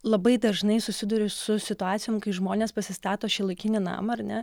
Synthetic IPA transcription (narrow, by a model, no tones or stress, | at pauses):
lˠɐbɐɪd̪ɐʒnɐɪsʊsʲɪd̪ʊɾʲʊsʊsʲɪt̪ʊɑːt͡s̪ʲɪjoːmkɐɪʒmoːnʲeːspɐsʲɪst̪ɑːt̪oːʃʲɪːlˠɐɪkʲɪnʲɪnɑ̰ːmɐɐɾnʲɛ